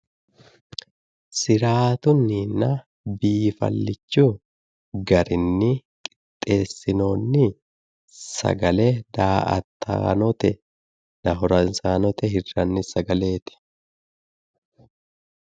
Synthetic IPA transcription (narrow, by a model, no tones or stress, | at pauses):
sɪɾaːt̪ʊnːinːɐ | biːfɐ̰lːɪt͡ʃːu | ɡɐɾɪnːɪkʼɪ̥t̪ʼːe̞ːsːɪno̞ːnːɪ | sɐ̰ɡɐlɛd̪aːɐ̰t̪ʰːa̰ːnɔt̪ɛ | nɐɦɔɾɐnsaːnɔt̪ɛhɪrːɐnːɪsɐɡɐle̞ːt̪ɪ̥